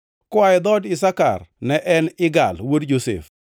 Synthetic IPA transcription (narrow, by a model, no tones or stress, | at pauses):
kwaɪd̪ɔdɪsaka̰rnɛʔɛnɪɡa̰lwodd͡ʒosḛf